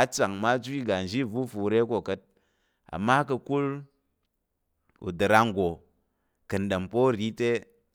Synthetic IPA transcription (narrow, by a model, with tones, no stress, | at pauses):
a˦t͡sa˨ŋma˦d͡ʒʷi˦ɡa˨n̩˨d͡ʒi˦˨vu˦fu˨ɾe˦ko˨kɐ˦t̚ | a̰˨mːa˦kɐ˧ku˦l | ṵ˨dɨ˨ɾa˧ŋ˨ɡo˨ | kɨ˨n̩˨ɗe˨mpo˦ɾi˦te˦